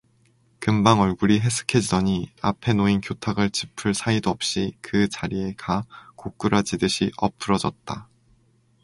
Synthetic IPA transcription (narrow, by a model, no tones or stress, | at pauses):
kɯmbaŋʌɭɡuɾiɦe̞sʰɯ̥kʰe̞d͡ʑidʌɲia̰pʰe̞noinkjotʰaɡɯɭt͡ɕi̥pʰɯɭsʰaidoʌp̚ɕ͈ikɯt͡ɕaɾie̞kʰakok̚k͈uɾad͡ʑidɯɕʰiʔʌpʰɯɾʌd͡ʑʌt̚t͈a